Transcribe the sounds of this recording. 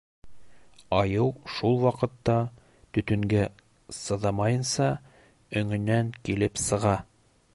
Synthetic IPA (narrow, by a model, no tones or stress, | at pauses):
ɑjɤwʃulˠwɑqɤ̆t̪ːɑ | t̪ɵ̆t̪ɵ̆ŋɡæ | sɤ̆ðɑmɑjɤ̆nsɑ | ɵ̆ŋɵ̆nːæŋkilɘpsɤ̆ʁɑ